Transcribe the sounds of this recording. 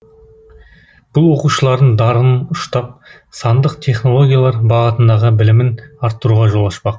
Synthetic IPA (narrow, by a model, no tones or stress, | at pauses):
b̥ʊlˠwo̞quʃəlˠɑɾd̪əɴd̪ɑɾənʊʃt̪ɑp̚ | sɑnd̪əqt̪ʲʰe̞χno̞lˠo̞ɡʲijalˠɑɾbɑʁət̪ənd̪ɑʁəbɪlɪmɪnɑɾt̪ːəɾuʁɑʒo̞lˠɑʃpɑq